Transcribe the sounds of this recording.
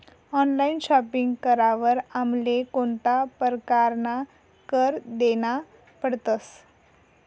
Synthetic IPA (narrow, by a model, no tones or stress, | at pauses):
ɔnlainɕɔpiŋɡkəɾaʋəɾamlekoɳt̪apəɾkaɾna | kəɾd̪ena | pəɽt̪əs